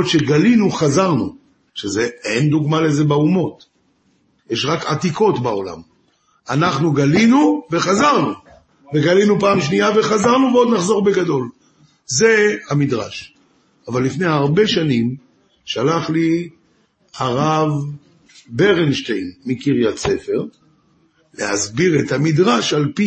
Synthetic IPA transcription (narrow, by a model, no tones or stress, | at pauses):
t̪ʃeɡalinuχazaʁnu | ʃeze̞end̪uɡmalezebaumo̞t̪ | jeʃʁakat̪iko̞tbao̞la̰m | anaχnuɡalinuve̞χazaʁnu | veɡalinupaːmʃnijave̞χazaʁnuveo̞d̪naχzo̞ʁbeɡad̪o̞l | ze̞hamidʁa̰ʃ | avalːifnejaʁbe̞ʃanim | ʃalaχli | aʁav | beʁenʃtejnmikiʁjat͡se̞fe̞ʁ | lḛha̰zbiʁetamidʁaʃalpi